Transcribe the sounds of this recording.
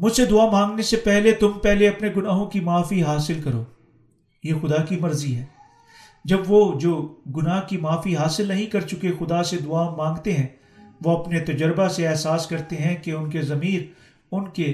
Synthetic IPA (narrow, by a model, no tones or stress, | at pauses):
mʊd͡ʒsed̪ʊaːmãːŋɡnesepɛɦlet̪ʊmpɛɦleɐpneɡʊnaːɦõkimaːfiɦaːsɪlkɐɾoː | jeːxʊd̪akimɐɾziɦɛː | d͡ʒɐbʋod͡ʒoːɡʊnaːɦkimaːfiɦaːsɪlnɐɦĩkɐɾt͡ʃʊkexʊd̪ased̪ʊaːmãːŋɡt̪eɦɛ̃ | ʋoɐpnet̪ɐd͡ʒəɾbaseɛːɦsaːskɐɾt̪eɦɛ̃keʊnkezɐmiːɾ | ʊnke